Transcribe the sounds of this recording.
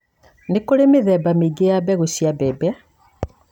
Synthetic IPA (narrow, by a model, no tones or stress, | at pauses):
nekoɾemeðɛːbameɡejabɛɣoɕiabɛbɛ